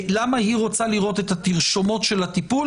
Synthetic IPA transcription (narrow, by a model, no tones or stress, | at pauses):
lamahiʁo̞t͡saliʁo̞t̪e̞t̪at̪iʁʃo̞mo̞t̪ʃe̞lat̪ipul